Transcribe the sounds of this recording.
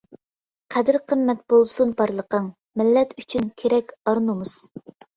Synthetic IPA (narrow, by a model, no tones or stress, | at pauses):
qʰæd̪ɪɾqʰəmːɛt̪̚b̥olˠsunpʰɑɾlˠəqəŋ | mɪlːɛt̪yt͡ʃʰynkʲʰeɾɛkʲɑɾnumuz̥